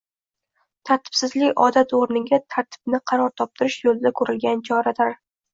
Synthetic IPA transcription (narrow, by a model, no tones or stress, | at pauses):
t̪ʰaɾt̪ʰɪ̥b̥sɪzlɪkʲɒ̰d̪at̪oɾnɪɡʲat̪ʰaɾt̪ʰɪ̥b̥nɪqʰɑɾɒɾt̪ʰɒp̚t̪ʰɪɾɪʃjolˠɪd̪akʰɵɾɪlɡʲant͡ʃʰɒɾad̪aɾ